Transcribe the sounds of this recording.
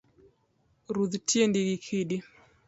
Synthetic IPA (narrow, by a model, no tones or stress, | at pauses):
ɾuðtiendiɡikʰiɗi